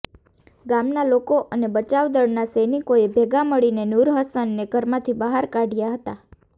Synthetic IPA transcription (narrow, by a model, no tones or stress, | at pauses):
ɡamnalokoʔənebət͡ʃaʋd̪əɽnasənikoebʱeɡaməɭinenuɾɦəsənːeɡʱəɾmãt̪ʰibəɦaɾkaɖjaɦət̪a